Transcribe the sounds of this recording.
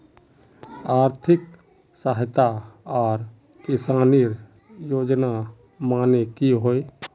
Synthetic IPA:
aːɾt̪ʰɪk | saɦɪt̪aɔːɾ | kɪsaːniɾ | joːd͡ʒna | maːnekiɦoːe

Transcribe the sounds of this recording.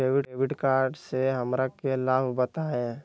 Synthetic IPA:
eːʋɪeːbɪʈkaːɾɖseɦɐmɾakelaːbʱbət̪aẽ

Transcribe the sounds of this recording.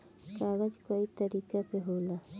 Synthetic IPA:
kaɣat͡ʃkait̪aɾikapeɦola

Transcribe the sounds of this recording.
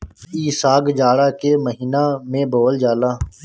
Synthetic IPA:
iːsaːɡd͡ʒaːɽaːkeməɦiːnaːmẽːboːld͡ʒaːlaː

